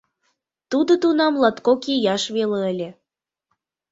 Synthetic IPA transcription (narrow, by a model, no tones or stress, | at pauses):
t̪ud̪ot̪unɑmlɑt̪kokijɑʃβeleəlʲĕ